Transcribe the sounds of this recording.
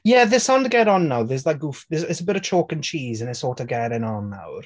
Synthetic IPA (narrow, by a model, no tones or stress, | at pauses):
jɛðɪsawndəɡɛɾɔnːawðɛs̬lajk̚ufðɪsɛsəbɪɾət͡ʃʰokənt͡ʃʰiːzə̃nɛsoːtəɡɛɾɪnɔnːa̰wr